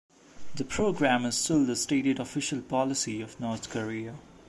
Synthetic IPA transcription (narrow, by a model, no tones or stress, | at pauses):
d̪əpʰɾoːɡɹæ̃mɪz̥stɪld̪əsʈeːʈɪɖɔfɪʃəlpɔlɪsiɔʋnɔːɾt̪kəɾiə